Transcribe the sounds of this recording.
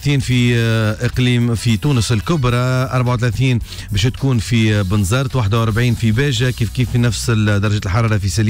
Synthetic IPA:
θiːnfiʔəqliːmfit̪uːnəsɪlkʊbɾˤɑʔɑɾˤbaʕawt̪̬ælæθiːn | bɛːʃt̪kuːnfibənzɑɾˤt̪waħd̪awʔɑɾˤbʕiːnfibæːʒækiːfkiːfːinæfsɪld̪ɑɾˤɑʒɛːt̪lħɑɾˤɑːɾˤɑfisæl

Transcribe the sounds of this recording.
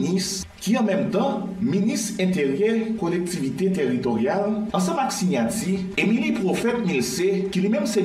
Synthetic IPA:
nis | kiɑ̃mɛ̃mt̪ɑ̃ministɛ̃t̪eʁjɛkolɛk̚t̪ivit̪et̪eʁit̪oʁjalɑ̃sɑ̃maksiɲati | emilipʁofɛt̪̚milsekilwimɛ̃mse

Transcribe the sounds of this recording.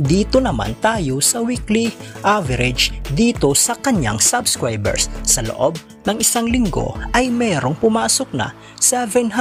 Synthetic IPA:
d̪iːt̪o̞nɐma̰nt̪aːjo̞sɐwikliʔavɛɾɛd͡ʒd̪iːt̪o̞sɐkɐɲa̰ŋsabskɹajbɛ̰ɹsːɐlo̰ʔob̚ | nɐŋɪsaŋlɪŋɡo̞̰ʔɐjmɛːɾo̞ŋpʊmaːsok̚nɐ̰ | sɛvɛnɦ

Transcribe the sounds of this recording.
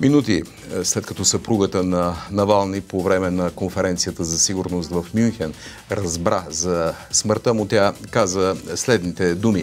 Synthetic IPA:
minut̪i | slɛt̪kɐt̪ɔsɐpɾuɡət̪ənɐnɐvalˠnipovɾɛmɛnɐkonfɛɾɛnt̪sijət̪əzɐsiɡʊɾnost̪vəfmjunxɛn | ɾɐzbɾazɐsməɾt̪əmʊt̪ʲjakazvəslɛd̪nit̪ɛd̪umi

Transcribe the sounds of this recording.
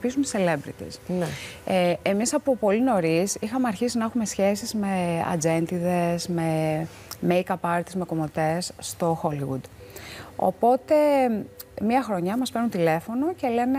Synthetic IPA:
pisumt̪isele̞bɾḭt̪ḭsn | emisɐpupo̞lino̞ɾisixɐmeɐɾçisinɐexume̞sçe̞sizme̞ɐ̰d͡ze̞nt̪iðe̞sme̞ | mejkɐpɐɾt̪izme̞ko̞mot̪e̞sst̪o̞xo̞liɣṵd̪ | o̰po̞t̪e̞ | miɐxɾo̞ɲɐmɐspe̞ɾnunt̪ile̞fo̞no̞ce̞le̞ne

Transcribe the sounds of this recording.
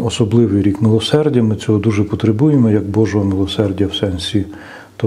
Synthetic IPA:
ɔsɔblˠɪʋɪjɾʲikmɪlˠɔsɛrdʲɐmɪt͡sʲɔɦɔd̪uʒɛpɔt̪ɾebujemɔjɐɡ̚bɔʒɔɦɔmɪlˠɔsɛrdʲɐwsɛnʲsʲi | t̪ɔ

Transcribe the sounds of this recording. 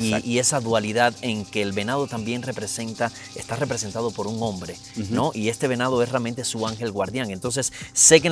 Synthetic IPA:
iie̞saðualiðaðe̞ŋke̞ːlβe̞naðo̞t̪ambje̞ŋre̞pɾese̞nt̪a | est̪are̞pɾe̞se̞nt̪aðo̞po̞ɾuŋõ̞mbɾe̞ | no̞ʔie̞st̪e̞βe̞naðoesrealment̪e̞suaŋxe̞lɣwaɾðjaŋent̪o̞ns̬e̞sːe̞k̬e

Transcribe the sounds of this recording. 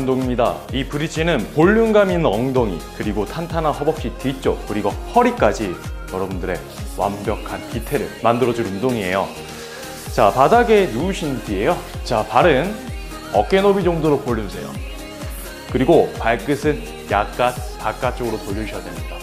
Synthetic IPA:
undoŋimɲida̰ipuɾit͡ɕʰinɯnpoʎːuŋɡaminʌŋdoŋḭkɯɾiɡotʰantʰanahʌbʌp̚ɕ͈itit͡ɕ͈o̰kɯɾiɡohʌɾik͈ad͡ʑijʌɾʌbundɯɾe̞ | wa̰mbjʌkʰanpitʰe̞ɾɯ̰ɭmandɯɾʌd͡ʑunumdoŋie̞̰jo | t͡ɕapadaɡe̞nuuɕʰindie̞jot͡ɕapaɾɯn | ʌk͈e̞nobid͡ʑʌŋdoɾopoɭːusʰe̞jo̰ | kɯɾiɡopaɭk͈ɯsʰɯn | jak͈apak͈at͡ɕ͈oɡɯɾotoʎːoɕʰʌjadwemɲida

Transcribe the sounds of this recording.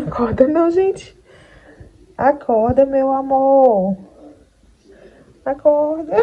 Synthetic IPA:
akʰɔɾd̪ɐ̃nẽw̃ʒẽnt͡ʃɪ̥ | akʰɔɾd̪ɐmewamo | akɔhd̪ɐ

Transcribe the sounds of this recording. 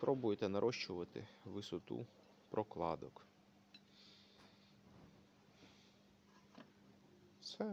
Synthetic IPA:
pɾʔɔbʊjet̪ɛnɐɾʔɔʃt͡ʃʊʋɐt̪ɪ̰ʋɪsɔt̪ṵ | pɾʔɔklˠɑ̰d̪ɔk | sɛ

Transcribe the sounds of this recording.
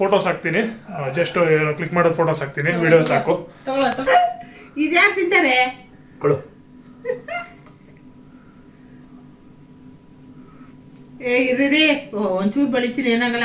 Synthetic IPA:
foːʈoːsaːk̚t̪inid͡ʒɐsʈklikːmaːɽod̪pʰoːʈoːsaːk̚t̪iniʋiːɽijosaːkut̪ɔɡɐɭot̪ɔɡ | id̪jaːk̚t̪int̪aːɾe | koɽu | eiɾːid̪iond̪suːʈ̚bɐɭit̪ːineːnaːɡɐlːa

